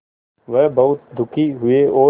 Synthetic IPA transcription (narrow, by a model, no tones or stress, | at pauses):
ʋəɦbɐʊt̪̚d̪ʱʊkʰiɦʊeoː